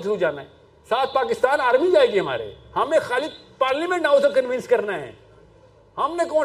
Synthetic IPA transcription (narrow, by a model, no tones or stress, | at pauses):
t̪ud͡ʒaːnaɦɛ̃ | saːt̪̚ʰpaːk̬ɪst̪aːnaːɾmid͡ʒaːeːɡiɦɐma̰ːɾḛhɐmẽxaːli | paːɾlimẽɳʈãːsokɐ̃nʋɪ̃nskɐɾnaɦɛ̰̃ː | hɐmnekɔːn